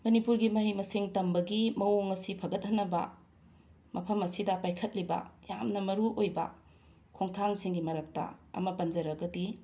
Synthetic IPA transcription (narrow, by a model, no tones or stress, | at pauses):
mɐnipuɾɡimɐɦijmɐseŋtɐmbɐɡimɐoŋɐsipʰɐɡɐt̚hɐnːɐbɐ̰ | mɐpʰɐmɐsidɐpajkʰɐt̚libɐ̰jamnɐmɐɾuʔojbɐ̰ | kʰoŋtʰaŋsiŋɡimɐɾɐk̚tɐ̰ɐ̰mɐpɐnd͡ʒɐɾɐɡɐdi